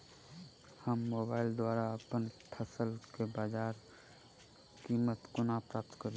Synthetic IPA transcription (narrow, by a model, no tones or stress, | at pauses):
həmːoːbaːɪld̪waɾaəpənpʰəsəlkebaːd͡ʒaːɾ | kimət̪kʊnapɾaːp̚t̪kəɾ